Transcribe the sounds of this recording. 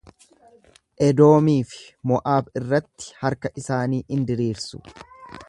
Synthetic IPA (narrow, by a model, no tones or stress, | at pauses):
ʔɛd̪o̞ːmiːfɪ̥mɔʔaːbɪrːɐt̪ːɪ̥hɐɾkɐʔɪsaːniːʔɪnd̪ɪɾiːɾsʊ̥̰